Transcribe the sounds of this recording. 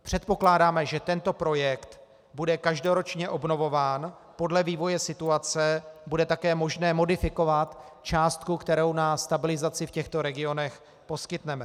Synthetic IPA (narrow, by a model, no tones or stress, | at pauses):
pr̝̥ɛt̪̚po̞klaːdaːmɛʒɛt̪ɛnt̪o̞pɾo̞jɛkt̪ | budɛkaʒdo̞ɾo̞t͡ʃɲɛʔo̞bno̞vo̞vaːn | po̞dlɛviːvo̞jɛsɪt̪uat͡sɛbudɛt̪akɛːmo̞ʒnɛːmo̞dɪfɪko̞vat̪ | t͡ʃaːst̪kukt̪ɛɾo̞wnast̪abɪlɪzat͡sɪfcɛxt̪o̞ɾɛɡɪo̞nɛx | po̞skɪt̪nɛmɛ